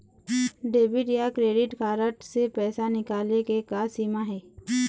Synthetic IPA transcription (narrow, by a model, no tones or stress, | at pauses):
ɖeːbɪʈjakɾeːɖɪʈkaːɾəʈsepɛːsanɪkaːlekekasiːmaɦɛː